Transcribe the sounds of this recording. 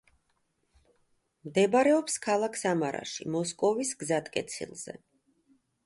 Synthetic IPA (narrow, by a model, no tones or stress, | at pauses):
md̪ɛbaɾɛɔpskʰalˠakʰsamaɾa̰ʃimɔskʼɔvisɡzat̪ʼkʼɛt̪sʰḭlˠz̥ɛ̰